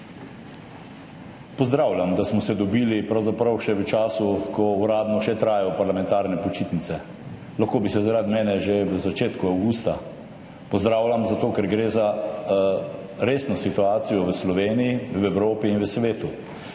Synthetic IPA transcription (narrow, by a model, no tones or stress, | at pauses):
pɔzd̪ɾaːwlʲjamd̪asmɔsɛd̪ɔbiːlipɾawzapɾawʃɛʋət͡ʃaːsukɔuɾaːd̪nɔʃɛt̪ɾaːjɔpaɾlamɛ̃nt̪aːɾnɛpɔt͡ʃit̪nit̪sɛ | laxkoːbisɛzaɾad̪mɛːnɛʒeʋəzat͡ʃeːt̪kuawɡuːst̪a | pɔzd̪ɾaːwlʲamzat̪oːkɛɾɡɾeːza | ɾeːsnɔsit̪uaːsijɔʋəslɔʋeːnijiʋɛwɾoːpiːnʋəsʋeːt̪u